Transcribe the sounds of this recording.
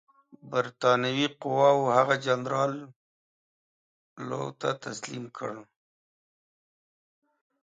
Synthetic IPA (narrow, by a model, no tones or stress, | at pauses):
baɾt̪ɑnawiqʊwɑwohaɣad͡ʒanɾɑl | o̰wt̪a̰t̪aslḭmkʰəɽ